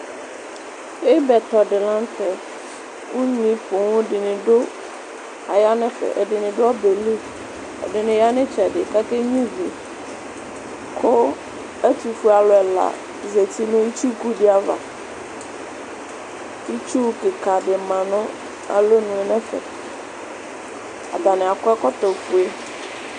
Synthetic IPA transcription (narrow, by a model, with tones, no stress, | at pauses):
e˦bɛ˨t̪ɔ˨ɖɪ˨lã˦n˦t̪ɛ˨ | ŋũ˦ɲĩ˦pʊ˨ŋʊ̃˦ɖɪ˨nɪ̃˨ɖo˦ | a˨ja˦nɛ̃˦fɛ̰˨ʔe˨ɖɪ˨nɪ̃˨ɖʊ˦ɔ˦be˨li˦ | ḛ˨ɖɪ˨nɪ̃˨ja˦nẽ˦t͡ʃɛ˨ɖɪ˨ka˦ke˦ɲĩ˦ve˨ | kʰo˦ | e˦t̪u˨fu˦a˨lɔ˨ɛ˨la̰˨ | ze˨t̪i˦nũ˦i˦t͡ʃu˦ku˦ɖɪ˦a˨va̰˨ | ti˦t͡ʃu˦ke˨ka˨ɖɪ˨mã˨nɔ̃˦ | a̰˨lo˦nũ˨e˨nɛ̃˦fɛ̰˨ | a̰˨d̪a˨nɛ̃˨a˨kɔ˦ɛ˦kɔ˦t̪ɔ˨fu˨e˦